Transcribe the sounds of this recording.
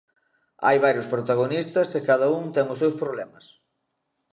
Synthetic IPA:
a̰jβaɾjʊspɾot̪aɣ̞onist̪ɐskɪkaðɐuŋt̪ɛŋʊsewspɾoβlɛmɐs

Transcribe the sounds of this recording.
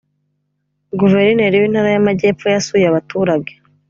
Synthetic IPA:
ɡuve̞ɾineɾijwin̥haːɾajamaɟe̞ːpfojasujaβatuːɾaɟe̥

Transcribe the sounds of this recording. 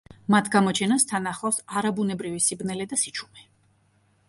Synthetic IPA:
mat̪ʰɡamɔt͡ʃʰɛnast̪ʰanaχasaɾabunɛbɾivisibnɛlɛd̪asit͡ʃʰu̥mɛ

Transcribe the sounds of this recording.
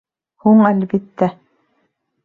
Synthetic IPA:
huɴælbit̪ːæ

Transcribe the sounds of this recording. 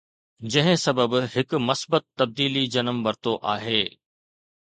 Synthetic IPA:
d͡ʑɐ̃ɦɪ̃sɐbəbhɪkʊmɐsbət̪ːɐb̚d̪iːlid͡ʑɐnəmʋɐɾt̪oʔaːɦeː

